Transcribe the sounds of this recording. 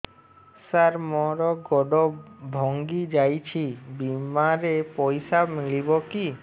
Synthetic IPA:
saɾmɔɾɔɡɔɖɔbʱɔŋɡid͡ʒajt͡ʃʰibimaɾepɔjsamiɭibɔki

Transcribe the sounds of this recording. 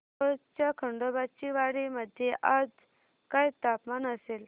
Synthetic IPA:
ət͡ɕjakʰəɳɖobat͡ɕiʋaɽiməd̪ʱjeʔad͡z | kajt̪apmanəsel

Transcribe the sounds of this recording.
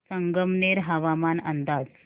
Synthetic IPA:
səŋɡəmneɾɦaʋamanənd̪ad͡z

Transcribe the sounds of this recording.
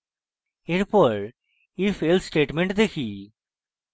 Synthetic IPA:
eɾpɔɾ | ifeːlsʈeːʈmẽɳʈd̪ekʰi

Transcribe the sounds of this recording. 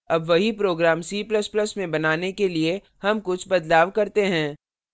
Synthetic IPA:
ɐbʋɐɦipɾoːɡɾaːmsiːplɐəsplɐsmẽbɐnaːnekelie | hɐmkʊt͡ʃʰbɐd̪laːʋkɐɾt̪eɦɛ̃ː

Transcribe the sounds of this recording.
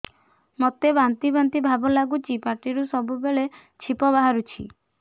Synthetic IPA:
mɔt̪ebant̪ibant̪ibʱabɔlaɡut͡ʃipaɾʈiɾusɔbubeɭe | t͡ʃʰipɔβaɦaɾut͡ʃʰḭ

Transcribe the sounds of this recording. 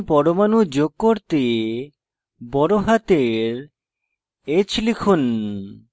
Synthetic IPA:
pɔɾomanud͡ʑoɡ̚kːoɾt̪e | bɔɾoɦat̪eɾ | et͡ɕʰlikʰun

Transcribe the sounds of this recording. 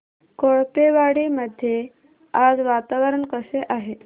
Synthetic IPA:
koɭpeʋaɽiməd̪ʱːje | ad͡zʋat̪aʋəɾəɳkəseʔaɦe

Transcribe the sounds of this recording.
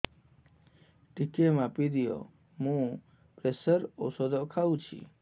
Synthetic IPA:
ʈikemãpid̪ijo̰ | mũ | pɾesəɾo̰sod̪ɔkʰaʋũt͡ʃʰḭ

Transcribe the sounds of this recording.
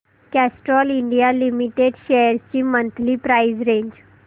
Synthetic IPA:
kæsʈɾɔliɳɖijalimiʈeɖɕejəɾt͡ɕiːmənt̪liːpɾaid͡ʑɾeɲd͡ʑ

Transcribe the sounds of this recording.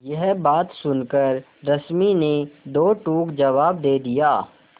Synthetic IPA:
jɛɦbaːt̪sʊnkəɾ | ɾɐsmined̪oːʈuːkd͡ʒɐʋaːbd̪eːd̪ijaː

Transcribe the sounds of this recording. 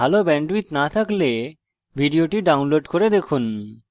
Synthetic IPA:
alobɛɳɖwit̪nat̪ʰakle | bʱiɖioʈiɖawnloɖkoɾed̪ekʰun

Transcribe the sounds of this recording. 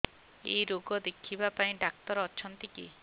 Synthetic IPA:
ḛjɾoɡɔd̪ekʰibapaĩɖak̚t̪ɔɾɔt͡ʃʰɔnt̪ikḭ

